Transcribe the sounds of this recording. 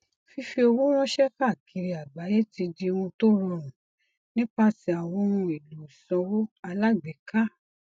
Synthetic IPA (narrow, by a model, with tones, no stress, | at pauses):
fi˧fi˧o˧wũ˦w̃ɔ̃˦ʃɛ˦ka˦˨kʰi˧ɾi˧a˨ɡ͡ba˨˦je˦ti˧di˧wũ˧to˦ɾɔ̃˧˨ɾ̃ũ˨ | nĩ˦k͡pa˧ti˧a˨wɔ̃˧wũ˧i˨lo˨sɔ̃˨˧wo˦a˧la˦ɡ͡bɛ˨ka˦